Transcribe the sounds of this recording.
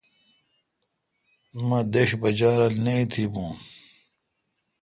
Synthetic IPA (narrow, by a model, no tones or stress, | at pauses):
mɐ̃d̪eɕbɐd͡ʑaːɾɐlneit̪ʰibũː